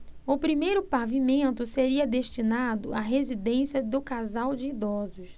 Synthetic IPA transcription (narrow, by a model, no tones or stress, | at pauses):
ʊpɾimejɾʊpavimẽnt̪ʊseɾiɐd̪eʃt͡ʃinad̪ʊ̰aɦezid̪ẽsiɐd̪ʊkazawd͡ʒɪid̪ɔzʊs